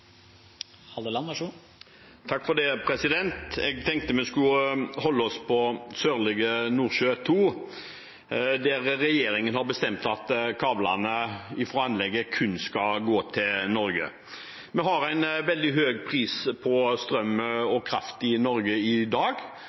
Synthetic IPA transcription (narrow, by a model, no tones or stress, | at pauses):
hɑlolɑnɑʂu | t̪ʰɑkːfɔd̪ɛːpʰɾɛsɪd̪ɛnt̪ɛɡt̪ʰɛŋkt̪əmɛskʉhɔlːəɔspʰɔsøːʁlɪɡənuːɾʃøːt̪ʰuː | d̪æɾɾɛjeːɾɪŋənhɑɾbəst̪ɛmt̪ɑt̪kʰɑːblɑ̰nəɪfʁɔɑnlɛɡːəkʰʉnskɑɡoːt̪ʰɪlnɔɾɡə̰ | mɛɦɑɾæɪnʋɛld̪ɪɦøːɡpʰʁiːspʰɔst̪ɾœmːəɔkʰɾɑ̰ft̪ɪnɔɾɡəɪd̪ɑːɡ